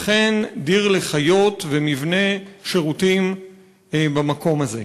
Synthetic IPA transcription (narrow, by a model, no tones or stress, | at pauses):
χe̞ndiʁleχajo̞tvemivne̞ʃe̞ʁutim | bamako̞maze